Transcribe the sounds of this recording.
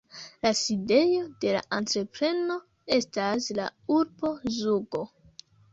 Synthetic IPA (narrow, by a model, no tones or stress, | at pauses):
laside̞jo̞de̞la̰ʔantɾe̞pɾe̞no̞ | e̞stasla̰uɾbo̞zuɡo̞